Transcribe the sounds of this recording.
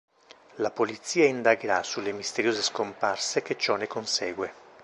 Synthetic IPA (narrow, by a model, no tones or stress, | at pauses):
lapolit̪sːiːaind̪aɡeɾasulːemist̪eɾjoːzeskomparsek̟et͡ʃːɔnekonsɛːɡwe